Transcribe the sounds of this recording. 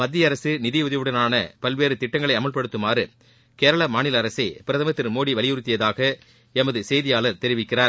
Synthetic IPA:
mɐd̪ːɪjɐɐɾɐsɯnɪðɪjɯðɪʋɯɽɐnaːnɐpɐlʋeːɾɯt̪ɪʈːɐŋɡɐɭɐɪɐmɐɭpɐɽɯt̪ːɯmaːɾɯ | keːɾɐɭɐmaːnɪlɐːɾɐsɐɪpɪɾɐðɐmɐt̪ːɪɾmoːɽiʋɐɭɪjɯɾɯt̪ːɪjɐðaːɣɐ | ɛmɐðɯsɛjðɪjaːlɐɾt̪ɛɾɪʋɪkːɪraːɾ

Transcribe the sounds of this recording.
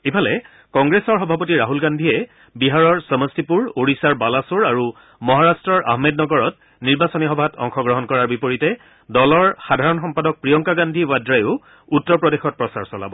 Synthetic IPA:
ipʰalɛ | kɔŋɡɹesɔɹxɔbʱapɔtiɹaɦulɡandʱiɛ | biɦaɹɔɹsɔmɔstipuɹoɹisaɹbalasuɹaɹu | mɔɦaɹastɹɔɹʔa̰ɦmednɔɡɔɹɔt | niɹbasɔnixɔbʱatʰɔ̰ŋxɔɡɹɔɦɔnkɔɹaɹbipoɹitɛ | dɔlɔɹxadʱaɹɔnxɔmpadɔk̚pɹijɔŋkaɡandʱiwadɹajʊ | utːɔɹpɹɔdexɔt̚pɹɔsaɹsɔla̰bɔ

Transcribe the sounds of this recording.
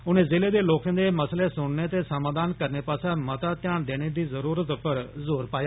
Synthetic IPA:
ʊnẽːzeːleːd̪eːloːkãːd̪eːməsleːsʊɽneːt̪eːsəmãːd̪aːnkəɾneːpaːsãːmət̪aːt̪ɪjaːɳd̪eːɽ̃eːd̪iːzəɾuːɾət̪pəɾzoːɾpaːjaː

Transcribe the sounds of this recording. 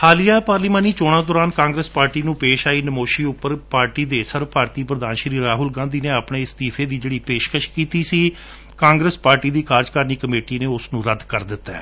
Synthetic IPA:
haːlijaːpaːɾliːmaːniːt͡ʃoːɽ̃ãːd̪ɔːɾaːnkãːŋɡɾəspaːɾʈiːnũːpeːʃaːiːnəmoːʃiːʊpːəɾpaːɾʈiːd̪eːsəɾʋpaːɾt̪iːpɾəd̪aːnʃɾiːɾaːɦʊlɡãːnd̪iːneːapɳeːɪst̪iːpʰeːd̪iːd͡ʒeːɽiːpeːʃkəʃkiːt̪iːsiː | kãːŋɡɾəspaːɾʈiːd̪iːkʰaːɾd͡ʒkəɾniːkəmeːʈiːneːʊsnũːɾəd̪kəɾd̪ɪt̪ːɛ̰ː

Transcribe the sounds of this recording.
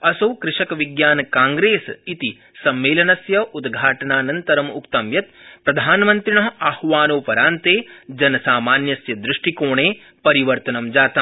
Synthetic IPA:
ɐsɐwkɾɪʂɐkɐʋiɡjaːnɐkaːŋɡɾeːsit̪i | sɐmːeːlɐnɐsjɐʔud̪ɡʱaːʈɐnaːnɐnt̪ɐɾɐmukt̪ɐmjɐt̪̚pɾɐd̪ʱaːnɐmɐnt̪ɾiɳɐɦɐahʋaːnoːpɐɾaːnt̪eːd͡ʒɐnɐsaːmaːnjɐsjɐd̪ɾɪʂʈikoːɳeː | pɐɾiʋɐɾt̪ɐnɐmd͡ʒaːt̪ɐ

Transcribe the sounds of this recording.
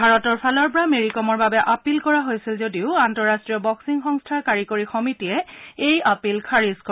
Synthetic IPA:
bʱaɹɔtɔɹpʰalɔɹpɔɹameɹikɔmɔɹbabɛʔapilkɔɹaɦojsilzodiʊantɔɹastɹijɔbɔksiŋxɔŋstʰakaɹikoɹixɔmitiɛejapilkʰaɹiskɔ

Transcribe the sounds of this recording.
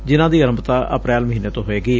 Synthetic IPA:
d͡ʒɪnãːd̪iːəɾəmbt̪aːʔə̰pɾɛːlməɦiːneːt̪õːɦoːeːɡiː

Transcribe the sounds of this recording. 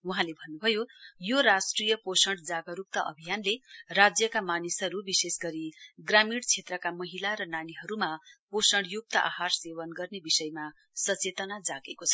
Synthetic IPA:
uɦãlebʱʌnːubʱʌjojoɾasʈrijʌposʌɳɽd͡zaɡʌɾuk̚t̪ʌʔʌ̰bʱijanlerad͡zjʌkamanisʌɾubisesɡʌɾiɡramiɽt͡sʰet̪rʌkamʌɦilaɾʌnaniɦʌɾumaposʌɽjuk̚t̪ʌʔa̰ɦarsewʌnɡʌrnebisʌjma | sʌt͡set̪ʌnad͡zaɡekot͡sʰʌ̥

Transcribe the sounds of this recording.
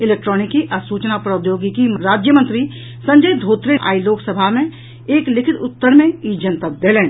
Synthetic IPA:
ɪleːk̚ʈɾɔːnɪkiʔasuːt͡ʃnapɾod̪joːɡikimɾaːd͡ʒjəmə̃nt̪ɾi | sɐ̃ɲd͡ʒəjd̪ʱoːt̪ɾeʔa̰ːiloːksəbʱamẽ | eːklɪkʰɪt̪ʊt̪ːəɾmẽid͡ʒə̃nt̪əd̪eːlẽː

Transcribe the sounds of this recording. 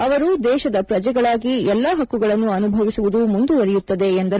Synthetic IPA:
ɐʋɐɾud̪ɛːʃɐd̪ɐpɾɐd͡ʒɛɡɐɭaːɡiɛlːaːɦɐkːuɡɐɭɐnːuɐnubʱɐʋisuʋud̪umund̪uʋɐɾɛjut̪ːɐd̪e̞ːnd̪ɐ

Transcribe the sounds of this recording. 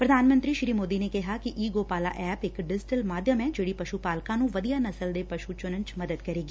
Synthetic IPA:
pɾəd̪ʱaːnmə̃nt̪ɾiːʃɪɾiːmoːd̪iːneːkɪɦaːkɪʔiːɡoːpaːla̰ːʔɛːpɪkɖɪd͡ʒɪʈəlmaːd̪jəmɛ̃ːd͡ʒeːɽiːpəʃupaːlkãːnũːʋəd̪ijaːnəsəld̪eːpəʃut͡ʃʊnənt͡ʃməd̪əd̪kəɾeːɡiː

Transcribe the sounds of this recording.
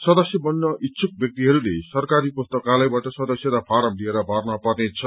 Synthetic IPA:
sʌd̪ʌsjʌbʌnːʌʔitːsʰuk̚bjʌk̚t̪iɦʌɾulesʌrkaɾipust̪ʌkalʌjbaʈʌsʌd̪ʌsjʌɾʌpʰaɾʌmd̪ieɾʌbʱarnʌpʌrnet͡sʰʌ

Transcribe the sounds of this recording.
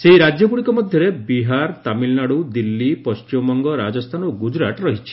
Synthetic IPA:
seiɾad͡ʒjɔɡuɽ̃ikɔmɔd̪ʱjɔɾebiɦaɾt̪amilnaɽud̪ilːipɔst͡ʃimɔŋɡɔɾad͡ʒɔst̪ʰanɔɡud͡ʒɾaʈɾɔɦit͡ʃʰi̥

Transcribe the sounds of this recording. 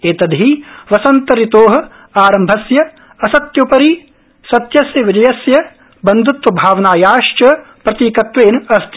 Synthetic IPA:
eːt̪ɐd̪ʱiʋɐsɐnt̪ɐɾit̪oːɦɐ̆ | aːɾɐmbʱɐsjɐ | ɐsɐt̪jɐpɐɾi | sɐt̪jɐsjɐʋid͡ʒɐjɐsjɐ | bɐnd̪ʱut̪ʋɐbʱaːʋɐnaːjaːʃt͡ʃɐpɾɐt̪iːkɐt̪ʋeːnɐst̪ʰi

